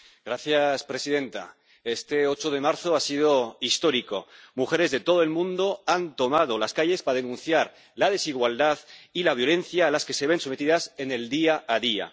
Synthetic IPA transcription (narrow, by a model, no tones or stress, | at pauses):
ɡɾaθjaspɾe̞sið̞ẽ̞nt̪a̰ | e̞st̪e̞o̞t͡ʃoðe̞maɾθo̞asið̞oist̪o̞ɾiko̞̰muxe̞ɾe̞zðe̞t̪o̞ð̞oe̞lmũnd̪oant̪o̞mað̞o̞laskaʝe̞spað̞e̞nũnθjaɾ | lað̞e̞siɣwald̪aðilaβ̞jo̞le̞nθjaːlaske̞se̞β̞e̞nsome̞t̪iðase̞ne̞ld̪iaːðia̰